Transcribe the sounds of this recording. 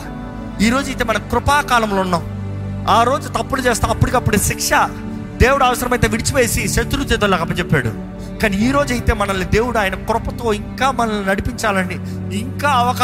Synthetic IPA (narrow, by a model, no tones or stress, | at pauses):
iːɾo̞ːd͡ʒɐjt̪eːmɐnɐmkɾʊpaːkaːlɐmloːunːaːm | aːɾo̞ːd͡ʒut̪ɐpːulut͡ʃeːst̪aːmɐpːuɽikɐpːuɽuʃikʂɐ | d̪e̞ːwuɽuɐʋɐsɐɾɐmɐjt̪eːʋiɽit͡ʃiʋe̞ːsiʃɐt̪ɾut̪et̪olaːkɐpːɐt͡ʃepːaːɽṵ | kaːniiːɾo̞ːd͡ʒɐjt̪e̞ːmɐnɐlːid̪eːwuɽuaːjɐnɐkɾʊpɐt̪o̞ːiŋkaːmɐnɐlːinɐɽipiɲt͡ʃaːlɐniː | ŋkaːɐʋɐka